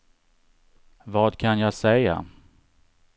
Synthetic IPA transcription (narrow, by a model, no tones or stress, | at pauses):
vɑːd̪kʰanjɑːsɛja̰